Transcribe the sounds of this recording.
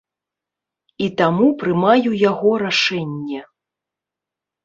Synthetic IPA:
it̪amupɾɨmajujaɣɔɾaʂɛnʲːɛ

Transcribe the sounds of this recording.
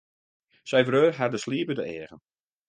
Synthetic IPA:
sɛjvrøːrɦadəsliəpədəɛəɣən

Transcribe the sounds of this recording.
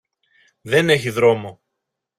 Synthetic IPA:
ðe̞ne̞çiðɾo̞mo

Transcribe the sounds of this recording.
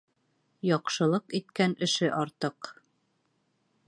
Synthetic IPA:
jɒqʃɤ̆lˠɤqit̪kænɘ̆ʃɘʔɒɾt̪ɤq

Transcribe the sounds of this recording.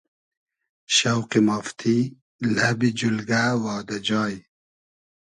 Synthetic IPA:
ɕɐwqimaft̪ʰi | lɐbid͡ʑulɡaːwɑːd̪ɐd͡ʑɑːj

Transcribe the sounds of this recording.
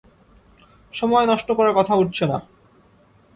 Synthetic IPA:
ʃɔmɔenɔʃʈokɔɾaɾkɔt̪ʰauʈ̚t͡ɕʰena

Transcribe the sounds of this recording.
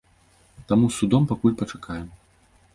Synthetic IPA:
t̪amusʲud̪ɔmpakulʲpɐt͡ʂakajɛm

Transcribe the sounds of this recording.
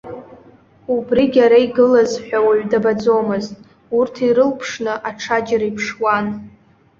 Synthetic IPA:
ubriɡʲaɾaiɡɨlazħʷᶣawaʕʷdabad͡zo̞mɨztʼ | urtʰiɾɨlpʰʂnɨʔaʈ͡ʂʰad͡ʒaɾaipʰʂwan

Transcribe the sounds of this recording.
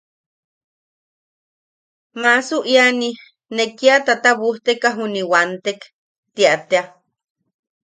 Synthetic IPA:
masuʔjani | nekiat̪at̪aβuht̪ekaɦuniwant̪ek | t̪iaʔt̪ea

